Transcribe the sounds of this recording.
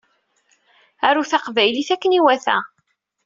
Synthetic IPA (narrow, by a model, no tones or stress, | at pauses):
æɾuθaqvæjliθækːəniwæθæ̰